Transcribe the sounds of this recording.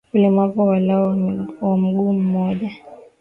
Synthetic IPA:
kulɛmapɔwalawam̩ɡuːm̩mɔʄa

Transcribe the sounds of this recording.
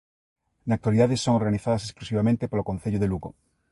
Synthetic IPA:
nak̚t̪waliðaðesːoŋoɾɣaniθaðasesklusiβamẽnt̪epolokõnθeʎoðeluɣo̰

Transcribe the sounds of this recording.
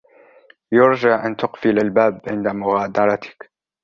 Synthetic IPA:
jʊɾd͡ʒaʕʔant̪ʊqfɪlalbaːbʕɪnd̪amʊɣaːd̪ɑɾˤɑt̪ɪ̥k

